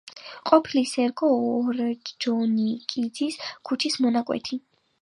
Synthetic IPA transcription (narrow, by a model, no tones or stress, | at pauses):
qʼɔpʰilisɛɾɡɔːɾd͡ʒɔnikʼid̪ziskʰut͡ʃʰismɔnakʼwɛ̰t̪ʰi